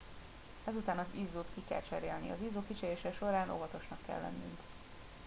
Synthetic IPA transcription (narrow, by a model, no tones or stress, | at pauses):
ɛzut̪aːnɒzizːoːt̪kikɛ̰lt͡ʃɛɾeːlnḭɒ̰zizːoːkit͡ʃɛɾeːʃɛʃo̞ɾaːnʔo̞̰vɒt̪o̞ʃnɒkːɛ̰lːɛ̰nːy̰ŋk